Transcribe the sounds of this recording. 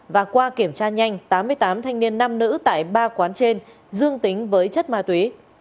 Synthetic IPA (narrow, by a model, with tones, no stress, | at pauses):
vaː˨˩kwaː˧ki˧˩əmt͡ɕaː˧ɲa˧jŋ̟t̪aː˨˦mːɨ˧əjt̪aː˨˦mt̪ʰa˧jŋni˧ənːa˧mnɨ̰˧˥t̪a̰ː˧˨jɓaː˧kwaː˨˦nt͡ɕe˧n | zɨ˧əŋt̪ï˨˦ŋ̟vəː˨˦jt͡ɕə˦˥t̚maː˧t̪wi˨˦